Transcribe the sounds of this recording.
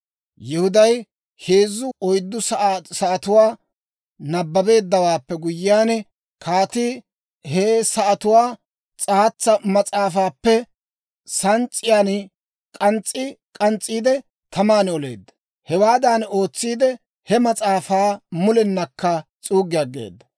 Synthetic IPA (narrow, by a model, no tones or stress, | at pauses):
jɪhʊd̪ɐj | heːzːʊɔjd̪ːʊsɐsɐʔɐt̪ʊwaː | nɐbːɐbe̞ːd̪ːɐwaːpːɛɡʊjːɪaːn | kʰaːt̪ɪ | hesɐʔɐt̪ʊwaː | t͡sʼaːt͡sːɐmɐt͡sʼaːfaːpːɛ | sɐnt͡sʼːɪjaːn | kʼɐnt͡sʼːɪkʼɐnt͡sʼːiːd̪ɛ | t̪ʰɐmaːnɔle̞̰ːd̪ːɐ̥ | hɛwaːd̪aːno̞ːt͡sːiːd̪ɛ | hɛmɐt͡sʼaːfaːmʊlɛnːɐkːɐt͡sʼuːɡɪjaɡḛːd̪ːɐ